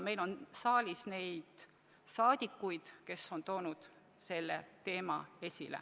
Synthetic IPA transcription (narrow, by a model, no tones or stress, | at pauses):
me̞jlo̞nsɑːlʲisne̞jd̪̥ | sɑːd̪̥ʲikːujd̪̥ke̞sːo̞nt̪o̞ːnud̪̥ | se̞lːet̪e̞ːmɑe̞sʲḭlḛ